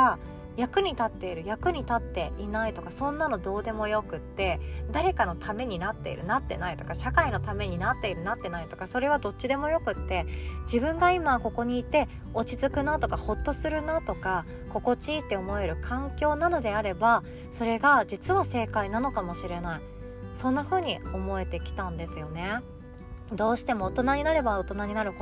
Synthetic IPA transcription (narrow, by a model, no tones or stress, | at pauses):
a | jakɯ̟ɲ̟it̪at̪ːe̞iɾɯ̟jakɯ̟ɲ̟it̪at̪ːe̞ʔinait̪o̞kasõ̞nːano̞d̪o̞ːd̪e̞mo̞jo̞kɯ̟t̪ːe̞d̪aɾe̞kano̞t̪ʰame̞ɲ̟inat̪ːe̞̰ḭɾɯ̟nat̪ːe̞̰nait̪o̞kaɕakaino̞t̪ame̞ɲ̟inat̪ːe̞iɾɯ̟nat̪ːe̞nait̪o̞̥kaso̞ɾe̞β̞ad̪o̞tt͡ɕːɕid̪e̞mo̞jo̞kɯ̟t̪ːe̞d͡ʑibɯ̟̃ŋɡaimako̞ko̞ɲ̟iːt̪e̞ | o̞t͡ɕizɨkɯ̟nat̪o̞kaho̞t̪ːo̞sɨɾɯ̟nat̪o̞ka | ko̞ko̞t͡ɕiːt̪ːe̞o̞mo̞e̞ɾɯ̟kʰãŋkʲo̞ːnano̞d̪e̞aɾe̞ba | so̞ɾe̞ɡad͡ʑit͡sɨβase̞ːkainano̞kamo̞ɕiɾe̞nai | sõ̞nːaɸɯ̟ːɲ̟io̞mo̞e̞t̪e̞kʲi̥t̪ãnd̪e̞sɨjo̞ne̞ | d̪o̞ːɕi̥t̪e̞mo̞ːt̪o̞naɲ̟inaɾe̞baot̪o̞naɲ̟inaɾɯ̟k